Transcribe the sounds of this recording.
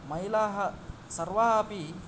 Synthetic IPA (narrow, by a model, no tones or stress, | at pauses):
mɐɦilaɦɐsɐɾʋaɦapi